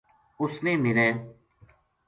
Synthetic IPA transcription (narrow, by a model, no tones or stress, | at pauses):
ʊsnẽːmɪɾeː